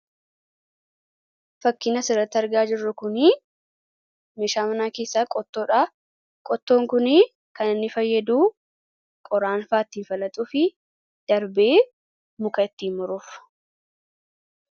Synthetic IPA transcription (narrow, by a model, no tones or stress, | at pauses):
fɐkːɪnɐsɪɾɐt̪ːɐɾɡaːd͡ʒɪrːʊkʊnɪ | meʃaːmɐnaːkeːsːaːkʼɔt̪ːo̞ːᶑa | kʼɔt̪ːo̞ːŋkʊnɪ | kɐnɪnːɪfɐjːɐd̪uː | kʼɔɾaːnfaːt̪ːiːnfɐlɐt̪ʼuːfɪ | d̪̥ɐɾbeː | mʊkʼɐɪt̪ːiːnmʊɾuf